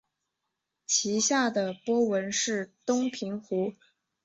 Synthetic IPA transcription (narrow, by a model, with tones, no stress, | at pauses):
t͡ɕʰi˧˥ɕja˥˩d̪ə˩pwɔ˥wə˧˥nʂɻ̩˥˩t̪ʊ˥ŋpʰi˧˥ŋxu˧˥